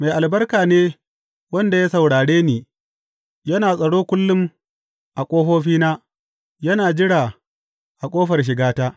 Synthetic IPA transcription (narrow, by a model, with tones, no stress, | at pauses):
ma˨jʔa˨lbɐ˦rkaː˨neː˦ | wɐ˦nda˨ja˦sɐ˨wɽaː˨ɽeː˦niː˨ | jɐ˦naː˨sʼɐ˨ɽoː˦kʷʊ˦lːʊ˦m | ʔa˨kʷʼoː˦ɦoː˦ɸiː˦naː˦ | jɐ˦naː˨d͡ʒɪ˦ɽaː˨ | ʔa˨kʷʼoː˦ɸɐ˨rʃ̬ɪ˨ɡaː˦taː˦